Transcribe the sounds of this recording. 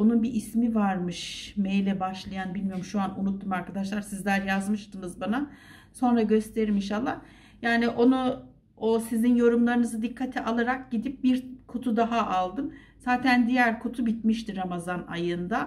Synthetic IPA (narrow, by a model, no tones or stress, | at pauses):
onunbiʔːsmivaɾmɯʃmejlʲɛbaʃlˠajanbilʲmijo̞ɾumʃuanunut̪ːumaɾkʰad̪aʃlˠaɾsizlʲæɾjazmɯʃt̪ɯnɯzbana | so̞nɾaɟø̞st̪ʰe̞ɾiminʃ̬alˠːah | jaːniʔo̞nu | osizinjo̞ɾumlˠaɾɯnɯzɯd̪ikʰːat̪ʰiʔalˠaɾak̚ɟid̪ip̚biɾkʰot̪ʰud̪aɦaʔalˠd̪ɯm | z̥aːt̪ʰænd̪ijæɾkʰot̪ʰubit̪̚miʃt̪iɾamazana̰jɯnd̪a